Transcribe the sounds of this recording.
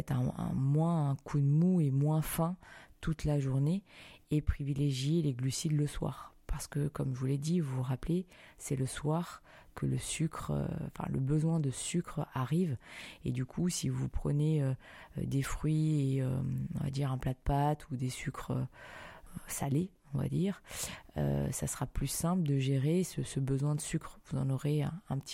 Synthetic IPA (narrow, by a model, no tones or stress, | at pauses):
ɛt̪ɛ̰̃ɛ̰̃mwɛ̃ːkʰud̪muemwɛ̃fɛ̃t̪ut̪laʒuʁneepχivileʒjeleɡlysid̪ləswa̰ʁpaʁsə̥kəkɔmʒuled̪ivuʁaple | sɛləswaʁ | kʰələsykχfɛ̰̃lə̰bəzwɛ̃d̪əsykχaʁivḛd̪ykʰusivupχəneø̰ | d̪efχɥieø̰ɔ̃va̰d̪iʁɛ̃plad̪əpat̪ʰud̪esykχø | sa̰le | ɔ̃va̰d̪iːʁø̰sasəʁaplysɛ̃pləd̪əʒeʁesəsəbəzwɛ̃d̪əsykχvuzɑ̰̃nɔʁḛɛ̃pət̪